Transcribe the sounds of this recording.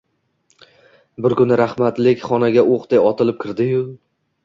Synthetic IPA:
bɪɾkʊnɪɾahmat̪lɪkʲχɒnaɡʲaʔoqd̪ejɒt̪ʰɪlɪp̚kʲʰɪɾd̪ɪjʊ

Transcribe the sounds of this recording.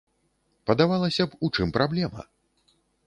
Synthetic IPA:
pɐd̪avalˠɐsʲɐput͡ʂɨmpɾablʲɛmɐ̰

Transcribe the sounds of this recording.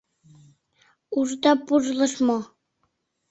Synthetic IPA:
uʒd̪ɑpuʒlˠɤ̆ʃmo

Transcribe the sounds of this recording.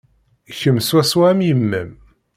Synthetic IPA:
çəmswæswæmjəmːæ̰m

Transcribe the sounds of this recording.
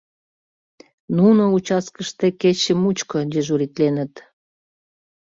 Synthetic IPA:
nunout͡ɕɑskəʃt̪eket͡ɕəmut͡ɕkod̪ʲeʒuɾit̪lenət̪

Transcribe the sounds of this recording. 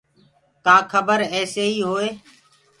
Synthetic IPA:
kãːkʰəbəɾɛːseːɦiːɦoːeː

